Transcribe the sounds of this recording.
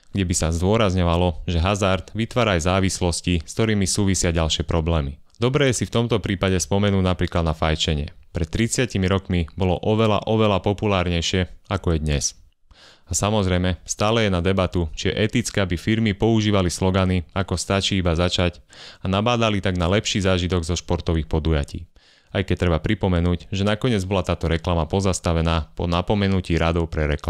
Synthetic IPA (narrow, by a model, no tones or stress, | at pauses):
ɡ̥ɟɛbisazd̪ʊɔɾazɲɔʋalɔʒɛɦazaɾt̪ʋit̪ʋaːɾaːjzaːʋislɔsciskt̪ɔɾiːmisuːʋisɪaɟalʃɪɛpɾɔblɛːmi | d̪̥ɔbɾɛɛsift̪ɔmt̪ɔpɾiːpaɟɛspɔmɛnuːnapɾiːklad̪nafajt͡ʃɛɲɛ̰pɾɛt̪t̪ːɾit͡sɪacimiɾɔkmibɔlɔ̰ʔɔʋɛla̰ʔɔʋɛlapɔpulaːɾɲɛjʃɪɛakɔjɛd̪ɲɛs | asamɔzɾɛjmɛst̪aːlɛjɛnad̪ɛbat̪ut͡ʃiɛ̰ʔɛt̪it͡skɛabifiɾmipɔuʒiːʋalislɔɡaniakɔst̪at͡ʃiibazat͡ʃacanabaːd̪alit̪aɡnalɛpʃiːzaːʒit̪ɔɡzɔʃpɔɾt̪ɔʋiːxpɔd̪ujacḭː | ajkɛc̚t̪ɾɛbapɾipɔmɛnuːcʒɛnakɔɲɪɛd͡zbɔlat̪aːt̪ɔɾɛklamapɔzast̪aʋɛnaːpɔ̰napɔmɛnuciːɾad̪ɔʊpɾɛɾɛkla